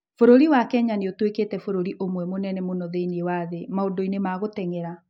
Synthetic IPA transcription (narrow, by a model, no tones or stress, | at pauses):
foɾoɾiwakɛɲaneotweketɛfoɾoɾiʔomwɛmonɛnɛmonɔðeiniewaðemaodoinemaɣotɛŋɛɾa